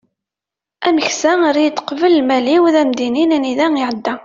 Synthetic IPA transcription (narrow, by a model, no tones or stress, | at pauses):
æməçsæɾid̪qvəlːmæliwðæmd̪ininæniðæŋiʕəd̪ːæ